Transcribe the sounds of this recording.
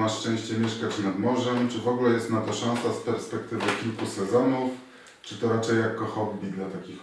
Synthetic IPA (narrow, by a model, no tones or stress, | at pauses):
aʂt͡ʂɛ̃w̃ɕt͡ɕɛmʲjɛʂkat͡ɕnad̪mɔʐɛmt͡ʂɘvɔɡulɛjɛst̪nad̪ɔʂɔ̃nsaspɛɾspɛkt̪ɘvɘkʲilkusɛzɔnuf | t͡ʂɘt̪ɔɾat͡ʂɛjakːɔxɔbbʲid̪lat̪akʲix